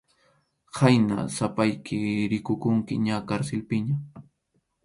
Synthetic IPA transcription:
hajna̰sapajkʰɪɾɪkʊkʊŋkɪɲakaɾsɪlpɪɲa

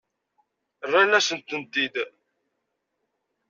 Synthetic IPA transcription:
ərːalæsənt̪ənt̪id̪

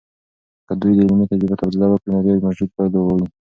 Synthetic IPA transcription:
kəd̪ujd̪əɪlmit̪ad͡ʒɾibat̪abd̪ɪlawəkɽinababmad͡ʒud̪̚pad̪owawi

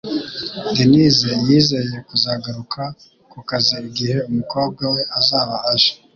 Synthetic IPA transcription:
denizejiːze̞je̞kuzaɡaɾukʰa | kukaziiɡihe̞umuko̞ːb̚ɡawe̞ʔazaːβahaʃḁ

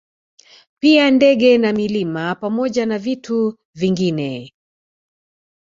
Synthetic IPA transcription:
piandɛɠɛnamilimapamɔʄanavitu | viŋɡinɛ

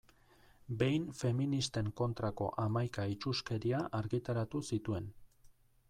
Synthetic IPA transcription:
be̞jnfe̞minist̪e̞ŋko̞nt̪ɾako̞̰ʔamajkait͡ʃuske̞ɾiaʔaɾɣit̪aɾat̪usit̪ue̞n

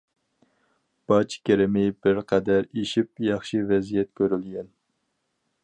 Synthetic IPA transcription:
b̥ɑt͡ʃkʲʰeɾɪmɪbɪɾqʰɛd̪æɾeʃip̚jɑχʃivɛzijɛt̪kʲʰøɾylɡʲɛn

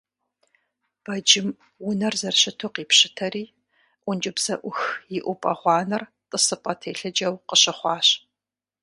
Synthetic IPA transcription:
b̥ɐd͡ʒɪm | wʊnɐrzɐrɕɪtʰʊqiːpɕɪtʰɐɾiː | ʔʷʊnd͡ʒɪbsɐʔʷʊxjɪʔʷʊpʼɐ̰ʁʷɑːnɐr | tʼɨsɨpʼɐtʰeːɬɐd͡ʒɐwqəɕɪχʷɑːɕ

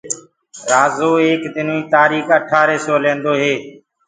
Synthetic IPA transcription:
ɾaːzoːeːkd̪ɪnːiːt̪aːɾiːxəʈʰaːɾeːsoːlẽːnd̪oːɦeː

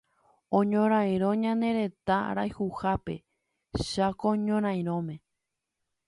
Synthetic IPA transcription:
õɲõɾ̃ãj̃ɾ̃õ̞ɲãnd̪e̞ɾe̞t̪aɾa̰jhuhape̞̰ | ʃakoɲõɾ̃ãj̃ɾ̃õ̞mẽ̞

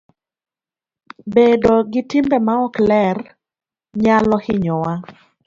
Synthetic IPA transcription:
bedoɡɪtɪmbɛmaɔklɛr | ɲalɔhɪɲɔwa

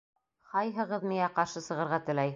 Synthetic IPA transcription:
χɑjɦɤ̆ʁɤðmijæqɑɾʃɤsɤ̆ʁɤ̆ɾʁɑt̪ɘ̆læj

